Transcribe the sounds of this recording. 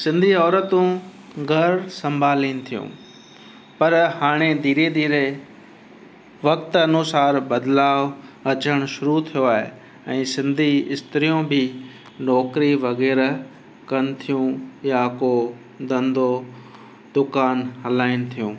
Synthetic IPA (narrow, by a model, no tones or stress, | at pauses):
sɪ̃nd̪ʱiɔːɾət̪ũ | ɡʱɐɾsɐ̃mbʱaːliːnɪ̆t̪ʰijṵ̃ | pɐɾhaːɽ̃ed̪iːɾed̪iːɾe | ʋɐkt̪ɐnusaːɾbɐd̪laːʋɐt͡ɕəɽ̃ʃʊɾut̪ʰijoaːɦe | ɛ̃ːsɪ̃nd̪ʱiɪst̪ɾijũbʱɪ | nɔːkɾiʋɐɣɛːɾ | kɐnɪ̆t̪ʰijũjako | d̪ɐ̃nd̪ʱo | d̪ʊkaːnhɐlaːɪnɪ̆t̪ʰijũː